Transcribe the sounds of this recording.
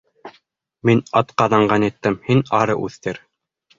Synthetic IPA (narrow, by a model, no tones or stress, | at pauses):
minɑt̪qɑðɑɴɢɑnit̪ːɘmhinɑɾɤʔʉθt̪ɘɾ